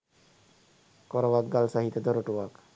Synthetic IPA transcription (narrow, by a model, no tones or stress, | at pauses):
koɾəʋak̚ɡalsaɦit̪əd̪oɾoʈuʋak